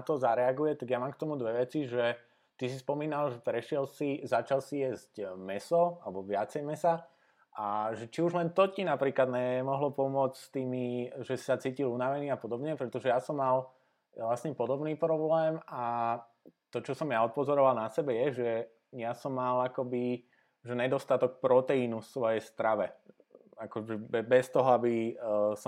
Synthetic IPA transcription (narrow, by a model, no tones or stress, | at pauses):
at̪ɔzaɾɛaɡujɛt̪aɡjamaːmkt̪ɔmud̪ʋɛʋɛt͡siʒɛ | t̪isispɔmiːnalʒɛpɾɛʃɪɛlsizat͡ʃalsijɛzcmɛsɔalɛbɔʋɪat͡sɛjmɛsa | ʔaʒɛt͡ʃiuʒlɛnt̪ɔcinapɾiːklad̪ɲɛmɔɦlɔpɔmʊɔt͡sst̪iːmiʒɛsi̥sat͡siːcilunaʋɛniːapɔd̪ɔbɲɛpɾɛt̪ɔʒɛjasɔmːal | lasɲɛpɔd̪ɔbniːpɾɔblɛːma | t̪ɔt͡ʃɔsɔmjaɔt̪̚pɔzɔɾɔʋalˠnasɛbɛjɛʒɛ | jasɔmːalakɔbi | ʒɛɲɛd̪ɔst̪at̪ɔk̚pɾɔt̪ɛinufsʋɔjɛjst̪ɾaʋɛ | akɔʒɛbɛbɛst̪ɔɦɔabisɔ